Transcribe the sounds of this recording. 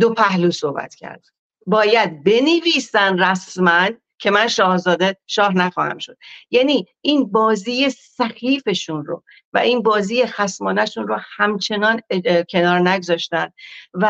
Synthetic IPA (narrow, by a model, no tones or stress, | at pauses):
d̪opʰæhluːso̞hbæ̰t̪cʰæ̰ɾd̪̥̚ | bɒːjæd̪̚be̞neviːsænræsmæn | cʰe̞mænʃɒːhzɒːd̪eʃɒːɦnæxɒ̰ːhæ̰mʃo̞d̪̥̚jæːniːʔiːnbɒːziːjesæxiːfe̞ʃunro̰ | væ̰ʔiːnbɒːziːjexæsmɒːnæʃunrohæmt͡ʃʰe̞nɒːncʰe̞nɒːɾnæɡozɒːʃt̪ænd̪̚væ